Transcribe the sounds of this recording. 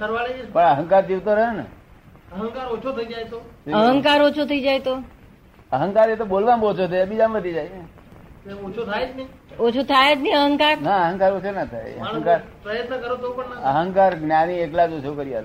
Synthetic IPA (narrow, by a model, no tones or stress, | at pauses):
kəɾʋaɭeepəɳəɦəŋkaɾd͡ʒiʋt̪oɾəɦenə̰ | əɦəŋkaɾot͡ʃʰot̪ʰəid͡ʒajt̪oəɦə̃ŋkaɾot͡ʃʰot̪ʰəid͡ʒajt̪o | əɦə̃ŋkaɾet̪obolʋambot͡ʃʰot̪ʰeabid͡ʒambəd̪ʱid͡ʒajne | eot͡ʃʰot̪ʰajet͡ʃni | ot͡ʃʰot̪ʰajet̪niəɦəŋkaɾnaəɦə̃ŋkaɾot͡ʃʰonat̪ʰa̰jə̰əŋkaɾpɾəjət̪nəkəɾot̪opəɳnaəɦəŋkaɾɡnjanieklad͡ʒot͡ʃʰokəɾijaɦət̪a